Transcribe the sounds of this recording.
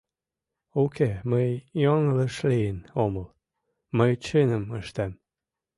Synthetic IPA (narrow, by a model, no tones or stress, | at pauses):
okeməjjoŋləʃlijənoməl | məjt͡ɕenəməʃt̪æm